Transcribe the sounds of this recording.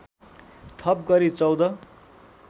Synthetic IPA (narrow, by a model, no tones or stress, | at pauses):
t̪ʰʌp̚ɡʌɾit͡sʌwd̪ʌ